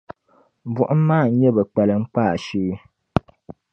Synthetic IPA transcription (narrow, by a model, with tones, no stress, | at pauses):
bwɔ˨ʔm˦maː˦˨˦ɲɛ˦bə˨k͡pɛ˨lə˨ŋ͡m̩˦k͡paː˦˨ʃiː˦